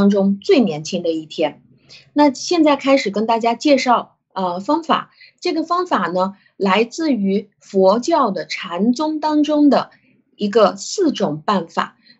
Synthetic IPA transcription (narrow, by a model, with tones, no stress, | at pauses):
ŋʈ͡ʂʊ˥ŋt͡swe˥˩ɪnjɛ˧˥nt͡ɕʰi˥ŋd̪ə˨i˥˩t̪ʰjɛ˥n | na˥˧ɕjɛ˥˧nt͡sa˥˩ɪkʰa˥ɪʂɻ̩˨˩kə˥nt̪a˥˩t͡ɕja˥t͡ɕjɛ˥˧ʂɑ˥˩ʊ | ə˧fɑ˥ŋfa̰˨˩˦ | ʈ͡ʂɤ˥˩ɡə˩fɑ˥ŋfa˨˩nə˦ | la˧˥ɪt͡sɹ̩˥˩y˧˥ | fwɔ˧˥t͡ɕjɑ˥˩ʊd̪ə˩ʈ͡ʂʰa˧˥nt͡sʊ˥ŋt̪ɑ˥ŋʈ͡ʂʊ˥ŋd̪ə˨ | i˧˥ɡə˧sɹ̩˥˩ʈ͡ʂʊ˨˩ŋpa˥˩nfa̰˨˩˦